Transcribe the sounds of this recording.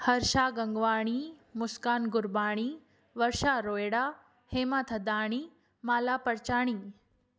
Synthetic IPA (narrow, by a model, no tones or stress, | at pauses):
hɐɾʃaːɡɐŋɡʋaːɽ̃iːmʊskaːnɡʊɾbaːɽ̃iː | ʋɐɾʃaːɾoːjɽaː | heːmat̪ʰɐd̪aːɽ̃iː | maːlaːpɐɾt͡ʃaːɽ̃iː